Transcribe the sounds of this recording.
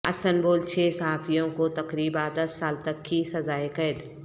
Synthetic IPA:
ɐ̰st̪ənboːlt͡ʃʰeːsɐɦaːfijõkot̪ɐqɾiːbãːd̪ɐsːaːlt̪ɐkːisɐzaːekɐd̪

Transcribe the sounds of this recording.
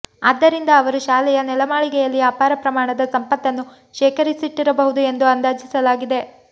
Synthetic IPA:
aːd̪ːɐɾind̪ɐːʋɐɾuʃaːlɛjɐnɛlɐmaːɭiɡɛjɐlːiaːpaːɾɐpɾɐmaːɳɐd̪ɐsɐmpɐt̪ːɐnːu | ʃɛːkɐɾisiʈːiɾɐbɐɦud̪ue̞nd̪uɐnd̪aːd͡ʒisɐlaːɡid̪e̞

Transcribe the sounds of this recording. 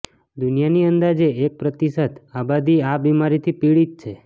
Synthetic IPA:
d̪unijaniənd̪ad͡ʒeːk̚pɾət̪isət̪abad̪iabimaɾit̪ʰipiɭit̪̚t͡ʃʰe

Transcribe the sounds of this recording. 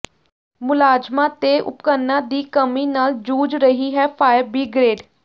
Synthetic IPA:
mʊlaːd͡ʒmãːt̪eʔʊ̰pkənːãːd̪iːkəmiːnaːld͡ʒuːd͡ʒɾəɦiːɦɛːpʰaːjəɾbiːɡɾeːɖ

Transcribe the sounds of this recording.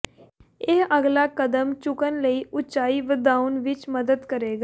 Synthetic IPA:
eɦəɡlaːkəd̪əmt͡ʃʊkənləiːʔʊt͡ʃaːiːʋəd̪aːʊnʋɪt͡ʃməd̪əd̪kəɾeːɡaː

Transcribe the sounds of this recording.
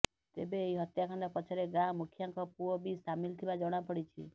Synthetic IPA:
t̪ḛbeːiɦɔt̪jakʰand̪ɔpɔt͡ʃʰɔɾeɡamukʰːjaŋkɔpuɔbisamilt̪ʰibad͡ʒɔɽ̃apɔɽit͡ʃʰḭ

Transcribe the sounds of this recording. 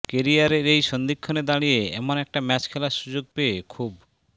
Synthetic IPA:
keɾiaɾeɾejsɔnd̪ikʰːɔned̪aɽ̃ieḛmɔnek̚ʈamɛt͡ʃkʰelasud͡ʒoɡ̚peekʰub

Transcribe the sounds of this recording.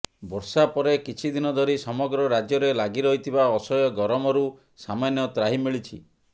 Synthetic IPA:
bɔɾsapɔɾekit͡ʃʰid̪inɔd̪ʱɔɾisɔmɔɡɾɔɾad͡ʒjɔɾelaɡiɾɔɦit̪ʰibaɔsɔjɔɡɔɾɔmɔɾu | samanjɔt̪ɾaɦimiɭit͡ʃʰi

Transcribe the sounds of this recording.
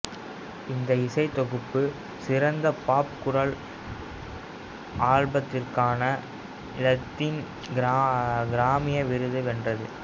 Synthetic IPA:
ɪnd̪ɐɪsɐɪt̪ɔɣɯpːɯ | sɪɾɐnd̪ɐpaːpkʊɾɐɭ | ʔaːɻbɐt̪ːɪrkaːnɐ | lɐt̪ːɪn | ɡɾaɡɪɾaːmɪjɐʋɪɾɯðɯʋɛndrɐðɯ̰

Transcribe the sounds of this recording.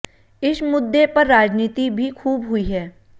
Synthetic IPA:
ɪsmʊd̪ːepɐɾːaːd͡ʒniːt̪ibʱikʰuːbɦʊiɦɛː

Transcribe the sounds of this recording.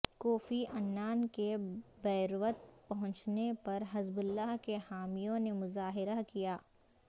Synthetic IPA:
kɔːfiʔɐnːaːnkebɛːɾʋət̪̚pɐɦʊ̃ɲt͡ʃnepɐɾɦɐzbʊlːaːɦkehaːmijõnemʊzaːɦɪɾakijaː

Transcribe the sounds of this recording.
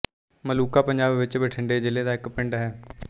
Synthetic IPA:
məluːkaːpəɲd͡ʒaːbʋɪt͡ʃbəʈʰɪɳɖeːd͡ʒɪleːd̪aːɪkpɪɳɖɦɛː

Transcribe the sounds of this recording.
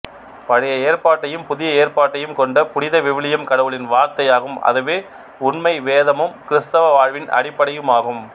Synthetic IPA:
pɐɻɐjɐeːɾpaːʈːɐjɯmpʊðɪjɐeːrpaːʈːɐjɯmkɔɳɖɐpʊɽɪðɐʋɪʋɪɭɪjɐmkɐɽɐʋɯɭɪnʋaːɾt̪ɐjaːɣɯmɐ̰ðɯʋeː | ʊnmɐɪʋeːðɐmɯmkɪɾɪst̪ɐʋɐʋaːɻʋɪnɐ̰ɽɪpːɐɽɐjɯmaːɣɯm

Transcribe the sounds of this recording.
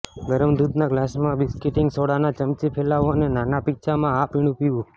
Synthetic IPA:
ɡəɾəmd̪ud̪naɡlasmãbiskiʈiŋɡsoɽanat͡ʃəmt͡ʃipʰelaʋonenanapikt͡ʃʰamãapiɽ̃upiũ

